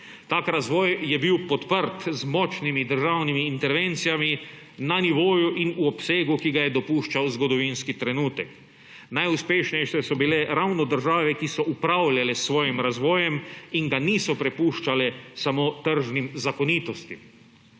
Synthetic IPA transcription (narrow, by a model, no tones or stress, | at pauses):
t̪aːkɾazʋɔːjjɛbiwpɔt̪pəɾt̪zmɔt͡ʃnimid̪əɾʒawnimiːnt̪ɛɾʋent̪sijami | naniʋoːjuʔinuɔpseːɡukiɡajɛd̪ɔpuːʃt͡ʃawzɡɔd̪ɔʋinskit̪ɾɛnuːt̪ɛk | najuspeːʃnɛjʃɛsɔbilɛɾawnɔd̪əɾʒaːʋɛkisɔʔupɾawlʲalɛsːʋɔːjimɾazʋɔːjɛmiŋɡaniːsɔpɾɛpuːʃt͡ʃalɛsamoːt̪əɾʒnimzakɔnit̪ɔst̪im